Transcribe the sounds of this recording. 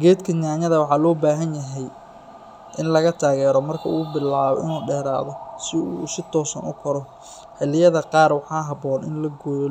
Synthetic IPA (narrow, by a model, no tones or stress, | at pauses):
ɡɛːd̪kʰɐnaːɲɐðɐwɑħɑːlɔːbaːɦɐnjɐɦɛj | ʔɪnlɐɣɐt̪ʰaːɣɛːɾɔmɐrkʰɐuːbɪlaːβɔ̰ʔɪ̰nuːɖɛːɾa̰ːðɔsɪuːsɪt̪ʰɔːsɐnʊ̰kʰɐɾɔ | ħɪlːɪjɐðɐqɑːrwɑħɑːɦɑbɔːnɪnlɐɡɔːl